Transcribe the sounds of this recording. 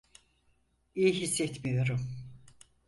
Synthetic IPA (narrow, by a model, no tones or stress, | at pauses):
ijiɦisːɛt̪mijo̞ɾum